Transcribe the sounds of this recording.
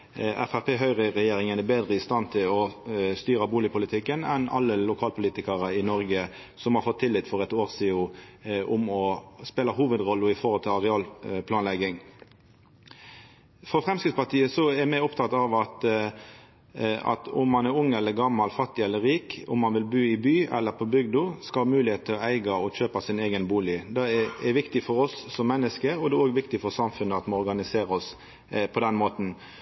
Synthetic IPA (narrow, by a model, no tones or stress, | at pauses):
æ̰fæʁpʰeːɦœʏʁəʁɛjeːʁɪŋənæbeːd̪ʁəɪst̪ɑnt̪ʰɪlɔst̪yːʁəbuːlɪpʰʊlɪt̪ʰɪkːənɛnɑ̰lːəlʊkʰɑːlpʰʊliːt̪ɪkəʁəɪnɔɾɡə | sɔmhɑɾfɔt̪ʰːɪlːɪt̪fɔʁɛt̪oːʁsiːʊʔʊmɔspeːlɑɦuːʋəd̪ʁɔlːəɪfɔɾhɔlt̪ʰɪlɑʁɛɑːlpʰlɑːnlɛɡɪŋ | fɔfʁɛmskɪt̪spɑt̪ʰiːəsɔɛmæɪɔpt̪ʰɑt̪ɑʋɑt̪ | ɑ̰t̪ʊ̰mːɑnɛæɾʊŋːɛlːəɾɡɑmːɑlfɑt̪ːɪɛlːəɾiːkʊmːɑnʋɪlbʉːɪbyːʔɛ̰lːəpʰɔbʏɡd̪ʊskɑmʉːlɪheːt̪̚t̪ʰɪlɔæɪɡɑɔçøːpɑsɪneːɡənbuːlɪd̪ɛɛʋɪkt̪ɪfɔɾɔsːɔmːɛnːəskəɾɔd̪ɛoːɡʋɪkt̪ɪfɔʁsɑmfʉnəɑt̪moɔɾɡɑnɪseːɾəɔs | pʰɔd̪ɛnmoːt̪n̩